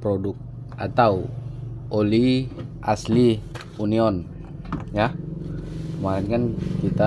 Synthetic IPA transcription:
pɾodʊk̚ | a̰t̪aw | oliʔasli | uniɔn | ja | kəmaɾinkankit̪a

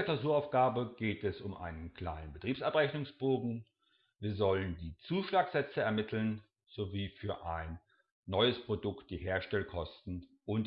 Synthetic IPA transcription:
ɐklaʊzuːɐaʊfɡ̥aːbəɡ̥eːtɛsʊmʔa̰ɪnənkʰl̥aɪnənbətʁ̥iːpsʔapʁɛçnʊŋsb̥oːɡŋ̩ | viːɐzɔləndiːt͡suːʃlaːkz̥ɛt͡səɛɐmɪtʰl̩n | z̥oviːfyːɐʔaɪnː | ɔʏəspʁ̥odʊkt̚d̥iːɦeːɐʃtɛlkʰɔstn̩ʔʊnt

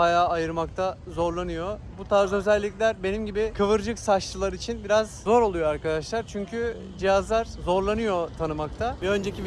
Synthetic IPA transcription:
bajaːjɯɾmak̚t̪ʰazo̞ɾlˠanɯjo̞ | but̪ʰaːzø̞zɛlʲːiclʲæɾbe̞nimɟibɪkʰɯvɯɾd͡ʒɯksaʃlˠɯlˠaɾit͡ʃʰinbiɾazzo̞ɾo̞lˠujoaɾkad̪aʃlˠaɾt͡ʃʰyɲcʰy | d͡ʒijazlˠaɾzo̞ɾlˠanɯjo̞t̪ʰanɯmak̚t̪ʰavɛø̞nd͡ʒecʰib

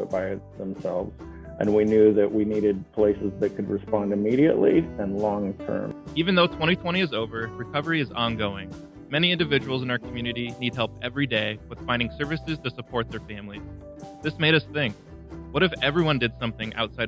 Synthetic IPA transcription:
ʊt̚b̥aɪðə̃m̩sɛ̰lˠvz̥ | ʔɨ̰̃nwinjʉðɨʔwiniɾɨd̚pʰl̥eɪsɨzðɨt̚kʰɨd̚ɹɨspɑ̃ndɨmiɾiɨ̰ʔliɨ̃nlɔ̃ŋtʰɜ̰̃˞mivɨ̃nðoʊtʰw̥ɛ̃ɾ̃itʰw̥ɛ̃ɾ̃iɨzoʊvə˞ɹɨkʰʌvə˞iɨzɑ̃nɡoʊɪ̃ŋ | mɛñiɪ̃ndɨvɪd͡ʒɨwl̩ˠzɨ̃naʊə˞kʰm̩jʉnɨɾinid̚ɦɛlˠpɛvɹideɪwɨð̥fãɪ̃ndɪ̃ŋsɜ˞vɨsɨz̥tʰɨsəpʰɔɹt̪̚ðə˞fæ̃mliz̥ | ðɪsmeɪɾʌsθɪ̃ŋk̚ | wʌɾɨfɛvɹiwʌ̃ndɨd̥sʌ̃mθɪ̃ŋʔa̰ʊtsaɪɾ

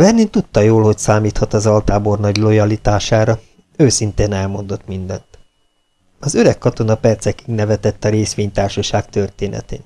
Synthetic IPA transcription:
vɛrnent̪ut̪ːɒjoːlho̞csaːmiːt̪hɒt̪ɒzɒlt̪aːbornɒɟlo̞jɒlit̪aːʃaːɾɒ | øːsint̪eːnɛlmo̞nd̪o̞t̪mind̪ɛ̰nt̪ | ɒzøɾɛkːɒt̪o̞nɒpɛrt̪sɛkiŋɡnɛvɛt̪ɛt̪ːɒɾeːsʋeːɲt̪aːrʃɒʃaːkt̪ørt̪eːnʔɛ̰t̪ḛːn

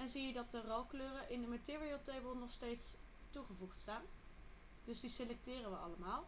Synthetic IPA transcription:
ɛnzijədɑt̚dərolˠkløːrəʔɪndəmatɪːriəlˠtejbəlˠnɔχstejts | tuχəvuχtstaːn | d̥ɵsdiselɛk̚tɪːrənʋəɑ̰ləmaːlˠ

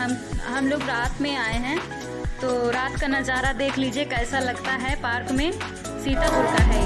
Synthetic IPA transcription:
ɦɐmɦɐmloːɡɾaːt̪mẽaːeɦɛ̃ | t̪oːɾaːt̪kanɐd͡ʒaːɾad̪eːkʰliːd͡ʒiekɛːsalɐɡt̪aɦɛpaːɾkmẽ | siːt̪aɦoːt̪aɦɛ

